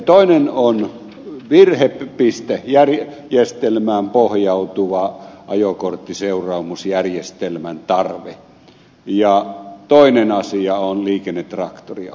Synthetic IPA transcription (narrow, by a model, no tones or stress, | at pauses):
t̪oˑinenon | ʋirheppist̪ehjær | jest̪elmæːmpohjɑut̪uʋɑʔɑjokort̪ːiseurˑɑːmusjærjest̪elmænt̪ɑrʋe | jɑt̪oˑinenɑsiɑonliːkenːet̪ːrɑ̰kt̪ori